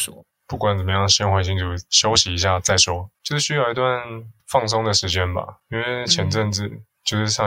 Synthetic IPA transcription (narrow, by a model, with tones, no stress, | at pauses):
pu˥˩kwa˨˦nt͡sə˨˩mə˦jɑ˥˩ŋ˩ɕi˥ŋxwa˧˥˩ɕ̬i˥ŋt͡su˨˩ɕjo˥ʊɕi˨i˧˥ɕ̬ja˥˩t͡sa˥˩ɪʂwɔ˥t͡ɕjo˥˧ʊʂɻ̩˥˧ɕy˥jɑ˥˩ʊi˧˥t̪wa˥˨nfɑ˥˧ŋs̬ʊ˥ŋd̪ə˨ʂɻ̩˧˥t͡ɕjɛ˦˥nba̰˨˩i˥nwe˥˩ɪt͡ɕʰjɛ˨˧˥nʈ͡ʂə˥˧˩nd͡zɻ̩˨˩t͡ɕjo˥˧ʊʂ̩˥˩ʂɑ˥˧